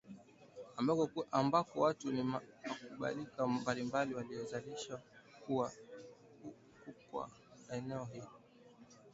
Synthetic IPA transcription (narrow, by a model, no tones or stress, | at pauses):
ambakɔʔambakɔwatunimmakuɓa̰likambalimbaliwalijɔzaliʃakuwa | u | kukwa̰ | ɛnɛɔɦilɔ